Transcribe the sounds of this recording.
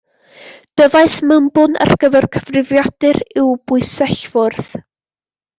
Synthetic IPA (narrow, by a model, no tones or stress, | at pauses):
d̥əvaɨsməmbʊnə̰rɡəvɛrkʰəvrɪvjad̥ɨrɪwbʊɨsɛɬvʊrθ